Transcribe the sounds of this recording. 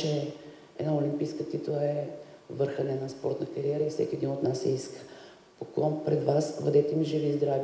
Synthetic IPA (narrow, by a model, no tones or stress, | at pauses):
ɛ | ɛ̰d̪naolʲimpiskət̪it̪oɛvɤɾxənɛnaspɔɾt̪nɐkɐɾiɛɾəifsɛkʲiɛd̪inot̪nasɛiskə̥ | pokuvampɾɛd̪vasvɐ̰d̪ɛt̪ɛmiʒivizd̪ɾav